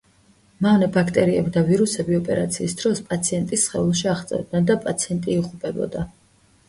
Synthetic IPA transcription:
mavnɛbakʰt̪ʼɛɾiɛbd̪aviɾusɛbiɔpʼɛ̰ɾat̪sʰḭːsd̪̥ɾɔspʼat̪sʰiɛnt̪ʼisːχɛulˠʃiaχt̪sʼɛ̰vd̪nɛnd̪apʼat̪sʰiɛnt̪ʼiiʁʼupʼɛbɔ̰d̪a

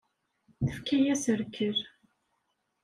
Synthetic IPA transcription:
θəfkæjæsəɾkʰːəɾ

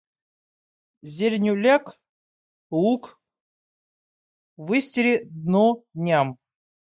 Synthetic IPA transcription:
zʲeɾʲnʲʊlʲak | uk | vɨsʲtʲɪɾʲɪd̪nod̪ʲnʲam

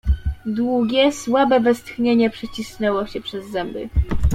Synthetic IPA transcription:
d̪wuɡʲɛswabɛvɛst̪xɲeɲɛpʂɛt͡ɕisnɛwɔɕɛpʂɛzːɛmbɘ̰

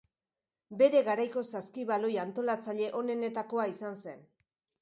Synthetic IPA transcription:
be̞ɾe̞ɣaɾajko̞saskiβalo̞jant̪o̞lat͡saʎe̞ʔo̞ne̞ne̞t̪ako̞aisanse̞n

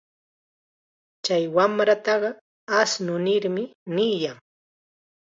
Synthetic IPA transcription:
t͡ʃajwamɾat̪ɑɢɑ | asnʊnɪɾmɪniːjaŋ

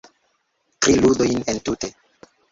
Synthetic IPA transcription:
tɾiludo̞jnentute̞

